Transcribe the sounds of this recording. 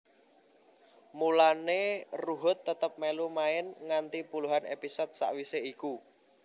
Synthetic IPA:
mulaneruɦʊt̪ːət̪əp̚melumaɪnŋant̪ipuluɦanḛpisɔd̪̚sa̰ʔwiseiku

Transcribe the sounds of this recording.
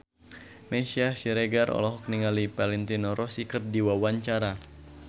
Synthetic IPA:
meʃiasiɾeɡaɾɔ̰lɔɦɔk̚niŋalipalɛnt̪inɔɾʔɔsikɨrdiwawaɲt͡ʃaɾa

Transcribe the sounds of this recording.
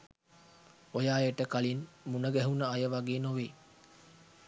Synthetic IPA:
ojaːjeʈəkalinmunəɡɛɦunəajəʋaɡeːnoʋeː

